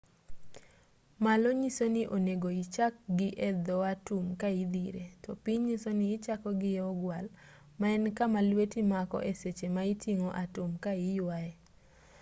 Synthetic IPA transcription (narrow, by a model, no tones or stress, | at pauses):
malɔɲisonɪʔoneɡoit͡ʃak̚ɡɪʔɛd̪ɔatʊmkaid̪iɾetɔpiɲisonɪːt͡ʃakɔɡɪɛɔɡwal | maɛnkamalwetimakɔ̰ʔeset͡ʃemaitʰiŋoʔatʊmkaijwae